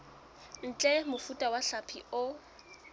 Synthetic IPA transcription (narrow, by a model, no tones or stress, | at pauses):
n̩t͡ɬʼɛmʊfutʼawaɬapʰḭʊ